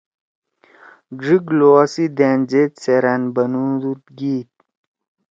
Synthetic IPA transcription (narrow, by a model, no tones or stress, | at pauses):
ɡʐiɡloasid̪eːnd͡ʑet̪seɾanbɐnud̪ut̪̚ɡiːt̪̚